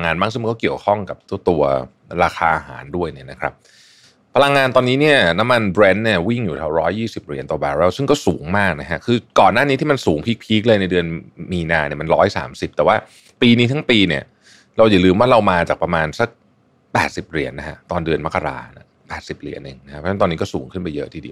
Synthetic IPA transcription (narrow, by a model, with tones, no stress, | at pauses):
ŋaː˧nmaː˥˩ŋsɯ˥˩m˧kɔː˥˩ki˨˩əwkʰɔ˥˩ŋka˨˩p̚t̪ʰu˥˩t̪u˧ɐ | ɾaː˧kʰaː˧ʔa˧ɦa̰ː˩˦ndu˥˩əjni˦˥˩na˦˥kʰɾa˦˥p̚ | pʰa˧la˧ŋːaː˧nt̪ɔː˧niː˦˥ni˥˩ɐna˦˥mːa˧nbɾɛ˦˥nːi˥˩ɐwi˥˩ŋjuː˨˩a˧˩wɾɔː˦˥jːiː˥˩si˨˩p̚ɾḭ˨˩ənt̪ɔː˨˩baː˧ɾɛː˦˥˩wsɯ˥˩ŋkɔː˥˩suː˩˦ŋmaː˥˩k̚na˦˥kʰa˦˥kʰɯː˧kɔː˨˩nːaː˥˩ni˦˥t̪ʰiː˥˩ma˧nsuː˩˦ŋpʰiː˦˥k̚pʰiː˦˥k̚lɤː˧jna˧jdɯ˧ənmiː˧naː˧ni˥˩ma˧nɾɔː˦˥jsa̰ː˩˦msi˨˩p̚t̪ɛ˨˩waː˥˩ | piː˧niː˦˥t̪ʰa˦˥ŋpiː˧ni˥˩ɐ | ɾa˧wja˨˩lɯː˧mwaː˥˩ɾa˧wmaː˧t͡ɕaː˨˩k̚pɾa˧maː˧nsa˦˩k̚ | pɛː˨˩t̪̚si˨˩p̚ɾi˨˩˦ənːa˦˥kʰa̰˦˥t̪ɔː˧ndɯ˧ənma˦˥kːa˧ɾa̰ː˧na˥˩ | pɛː˨˩t̪̚si˨˩p̚ɾi˨˩˦ənːɯ˨˩ŋna˦˥a˦˥pʰɔ˥t̪ɔː˧niː˦˥kɔː˥˩suː˩˦ŋkʰɯ˥˩npa˧jːɤ˦ʔt̪ʰiː˧di˧˩w